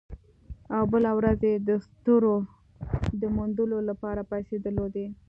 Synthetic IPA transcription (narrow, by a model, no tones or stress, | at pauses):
awbəlawɾazed̪əst̪əɾo | d̪əmund̪əlolapɑɾapased̪əlod̪e